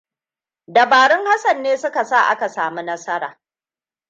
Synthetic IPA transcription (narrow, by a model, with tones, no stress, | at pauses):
dɐ˨baː˨ɽɪ˦ŋha˦sɐ˨nːeː˦sʊ˦ka˨sa˦˨ʔa̰˦ka˨saː˨mu˦nɐ˦sɐ˦ɾa̰ː˨